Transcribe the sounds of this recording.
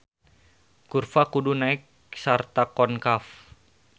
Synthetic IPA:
kurfakudunaɪk̚ | sart̪akɔnkaf

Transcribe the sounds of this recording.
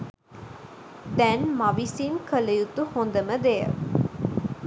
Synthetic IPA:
d̪ɛnmɐʋisimkəlɐjut̪uhond̪əməd̪ejə̰

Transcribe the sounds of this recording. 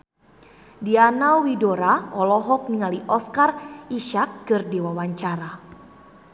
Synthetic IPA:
dianawwidoɾaɔlɔɦɔk̚niŋaliʔɔskarʔiʃak̚ːɨrdiwawaɲt͡ʃaɾa

